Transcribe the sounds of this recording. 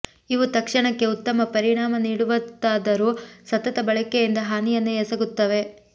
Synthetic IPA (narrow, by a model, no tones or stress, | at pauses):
iʋut̪ɐkʂɐɳɐkːe̞ut̪ːɐmɐpɐɾiɳaːmɐniːɽuʋɐt̪ːaːd̪ɐɾusɐt̪ɐt̪ɐbɐɭɐkejind̪ɐɦaːnijɐnːeesɐɡut̪ːɐʋe̞